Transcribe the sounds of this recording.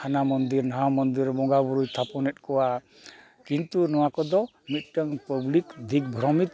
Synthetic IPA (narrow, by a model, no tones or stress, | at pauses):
anamɔnd̪iɾnaɦamɔnd̪iɾbɔŋɡabuɾujt̪ʰapɔnɛt̪̚kɔwa | kint̪unɔwakɔd̪ɔ | mit̪̚ˀʈəŋpɔblikd̪ʱik̚bʱɾɔmit̪